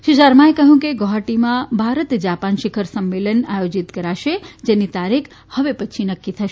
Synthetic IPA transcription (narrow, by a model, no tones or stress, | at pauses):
ʃiʃaɾmãekəɦjũkeɡoɦaʈimãbʱaɾət̪d͡ʒapanʃikʰəɾsəmːelənajod͡ʒit̪kəɾaʃed͡ʒenit̪aɾikʰ | həʋepət͡ʃʰinəkːit̪ʰəʃe